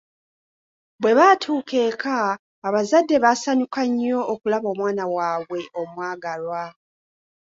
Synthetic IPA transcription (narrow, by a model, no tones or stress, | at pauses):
bwe̞βaːtʰuːke̞ːkaː | βazadːe̞βasaɲukaɲːo̞ʔːkulaβo̞ːmwaːnawaːβwe̞ʔo̞mwaːɡalwa